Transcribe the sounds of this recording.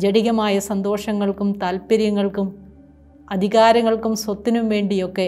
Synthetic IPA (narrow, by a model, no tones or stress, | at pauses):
d͡ʑeɽiɣɐmaːjɐsɐnd̪o̞ːʂɐŋːɐɭkumt̪aːlpɐɾjɐŋːɐɭkum | ɐd̪ʱiɣaːɾɐŋːɐɭkumswɐt̪ːinumʋe̞ːɳɖijo̞kːe̞